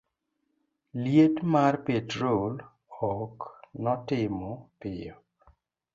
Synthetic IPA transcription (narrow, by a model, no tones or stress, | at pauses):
ljetmarpetɾol | ɔknɔtɪmɔpɪjɔ